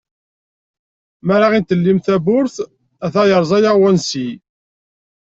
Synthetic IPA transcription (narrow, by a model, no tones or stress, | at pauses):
mæɾaʁint̪əlːimθæbʊɾθ | æθæjəɾˤzˤɑjaʁwænsi